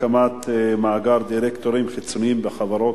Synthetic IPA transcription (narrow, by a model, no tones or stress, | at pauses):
amat̪maʕaɡaɾd̪iɾekt̪oɾimχit͡soniimbeχavaɾot